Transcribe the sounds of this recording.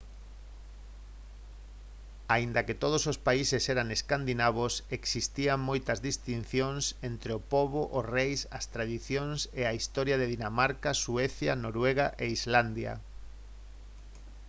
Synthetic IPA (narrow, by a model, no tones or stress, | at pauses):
aind̪ɐket̪oð̞osospaiseseɾaŋeskand̪inaβ̞oseksist̪iaŋmojt̪ɐzðist̪in̟θjoŋsent̪ɾeopoβoʔorejsɐst̪ɾaðiθjoŋseaist̪ɔɾjaðeðinamaɾkasueθjanoɾweɣaʔeizland̪ja̰